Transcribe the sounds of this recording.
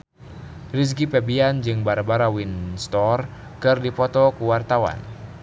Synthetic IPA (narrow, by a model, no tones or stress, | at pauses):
ris̬kipɛbiand͡ʒɨŋbaɾabaɾawinst̪ɔr | kɨrdipɔt̪ɔkuwart̪awa̰n